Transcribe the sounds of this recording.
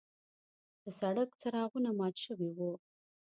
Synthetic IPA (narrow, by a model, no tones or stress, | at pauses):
d̪̥əsaɽəkt͡saɾɑɣunamɑt̪ʃəwewu